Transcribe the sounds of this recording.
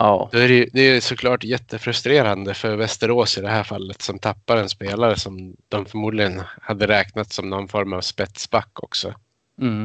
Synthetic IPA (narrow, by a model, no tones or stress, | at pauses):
ɑːd̪ɔæɾɛjd̪ɛæjsɔkʰlɑːʈjɛt̪ʰːəfɾɵst̪ɾeːɾand̪əfœɾvɛst̪əɾoːsɪd̪ɛɦæːɾfalːət̪sɔmt̪ʰapːaɾɛnspeːlaɾəsɔmd̪̥ɔmfœɾmuːd̪lɪɡənhad̪ːəɾɛːknat̪sɔmnɔnfɔɾmavspɛt̪sbakːɔksɔ̰